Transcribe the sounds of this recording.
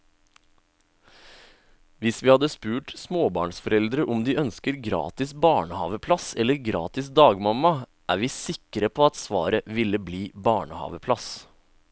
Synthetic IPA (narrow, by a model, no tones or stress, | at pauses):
ʋɪsʋiːhɑd̪əspʉːʈsmoːbɑ̰ːɳsfɔɾɛld̪ɾəʔɔmd̪iːʔœnskəɾɡɾɑ̰ːt̪ɪsbɑːɳəhɑ̰ːʋəpʰlɑsɛlːəɾɡɾɑ̰ːt̪ɪsd̪ɑːɡmɑmɑ | ʔæ̰ːɾʋiːsɪkəɾəpʰoːɑt̪sʋɑ̰ːɾəʋɪləbliːbɑːɳəhɑ̰ːʋəpʰlɑs